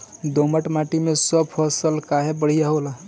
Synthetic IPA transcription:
d̪oməʈmaʈimesəbpʰɔsəlkaɦebəɽ̤ijaɦola

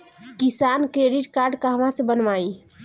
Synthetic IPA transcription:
kisankɾeɖiʈkaɾɖkaɦəmasẽbənmai

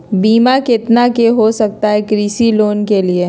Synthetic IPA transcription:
biːmakɪt̪nakeɦosɐk̚t̪aɦɛkɾiːsiloːnkelie

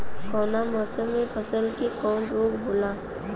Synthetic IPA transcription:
kɔːnamɔːsəmːẽpʰəsəlkikɔːɳɾoːkbola

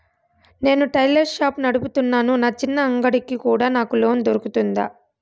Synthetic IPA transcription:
ne̞ːnuʈɐjlɐɾʃaːpnɐɽuput̪unːaːnunaːt͡ʃinːɐːŋɡɐɽikːikuːɽaːnaːkuloːmd̪oɾukut̪und̪a̰ː

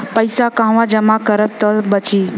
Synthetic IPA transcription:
pəjsakãʋãd͡ʒəmakəɾəb̚t̪əbət͡ʃiː

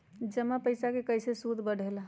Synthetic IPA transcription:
d͡ʒəmapəɪsakekəjsesud̪ʱbəɽ̤ʱela

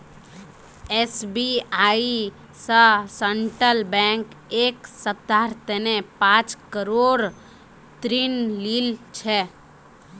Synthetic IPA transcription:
esbiai | səsəɳʈɾəlbɛ̃ŋk | eksəp̚t̪aɾt̪enepãt͡ʃkəɾoɾ | t̪ɾinlilt͡ʃʰɛ

